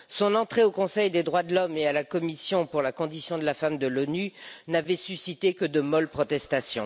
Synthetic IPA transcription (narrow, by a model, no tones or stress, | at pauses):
sɔ̃nɑ̃t̪χeokɔ̃sɛjd̪ed̪ʁwad̪əlɔmealakɔmisjɔ̃puʁlakɔ̃d̪isjɔ̃d̪əlafamd̪əlɔnynavɛsysit̪ekəd̪əmɔlpχɔt̪ɛst̪asjɔ̰̃